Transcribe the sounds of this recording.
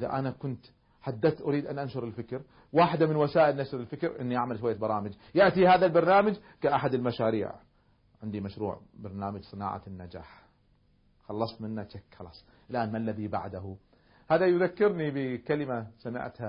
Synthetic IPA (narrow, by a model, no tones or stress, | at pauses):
ʔɪða̰ʔanakʊnt̪ | ħad̪ːat̪ʔʊɾiːd̪ʔanʔanʃʊɾˤɪlfɪkɾ | waːħɪd̪amɪnwasaːʔɪlnaʃɾɪlfɪkɾʔɪ̰nːiʔaʕmalʃwajːabɑɾˤɑːmad͡ʒ | jaʔt̪ihaːðalbɑɾˤnaːmad͡ʒ | kaʔaħad̪ɪlmaʃaːɾḭːʕ | ʕɪnd̪imaʃɾṵːʕbɑɾˤnaːmad͡ʒsˤɨna̰ːʕa̰nːad͡ʒa̰ːħ | xɑlːɑsˤt̪mɪnːat͡ʃakːxɑlɑ̰ːsˤ | ʔɪlʔaːnmalːaðiba̰ʕd̪ahu | haːðajðakːɪɾnibɪkalɪmasamɪ̰ʕt̪ha